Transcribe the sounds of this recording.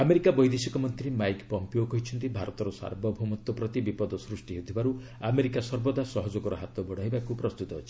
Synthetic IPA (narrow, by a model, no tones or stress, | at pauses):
ameɾikabɔjd̪esikɔmɔnt̪ɾimajkpɔmpiokɔɦit͡ʃʰɔnt̪ibʱaɾɔt̪ɔɾɔsa̰ɾbɔbʱumɔt̪ːɔpɾɔt̪ibipɔd̪ɔsɾusʈiɦeut̪ʰibaɾu | ameɾikasɔɾbɔd̪asɔɦɔd͡ʒɔɡɔɾɔɦat̪ɔbɔɽ̃ajbakupɾɔst̪ut̪ɔɦːt͡ʃʰi̥